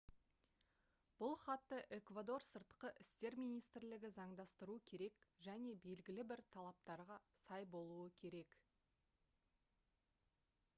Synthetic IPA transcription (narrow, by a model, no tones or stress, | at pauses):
b̥ʊlˠχɑt̪ːəʔe̞kvad̪o̞rsəɾt̪qəʔɪst̪e̞ɾmijnijst̪ɪɾlɪɡʲɪzɑɴd̪ɑst̪əɾuəkʲʰe̞ɾe̞kʒæne̞be̞lɡʲɪlɪbɪɾt̪ʰɑlˠɑp̚t̪ɑɾʁɑsɑjbo̞lˠuəkʲʰe̞ɾe̞k